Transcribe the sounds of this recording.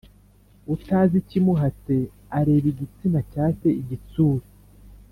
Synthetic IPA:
utaːzicimuɦat͡se̞ | aɾe̞ːβiɟit͡simacaːse̞iɟit͡suːɾi

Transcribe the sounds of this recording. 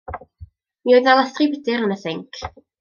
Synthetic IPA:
mioɨðalˠastribɪdɪɾənəθɪŋkʰ

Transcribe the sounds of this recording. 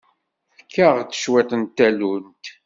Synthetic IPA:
fəkʰːaʁt͡sːə̥ʃwet̪ˤənt̪ːælunt̪

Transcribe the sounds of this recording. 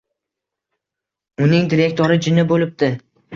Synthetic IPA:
ʊnɪŋd̪iɾe̞k̚ʲt̪ʰoɾɪd͡ʒɪnɪbolɪp̚d̪ɪ

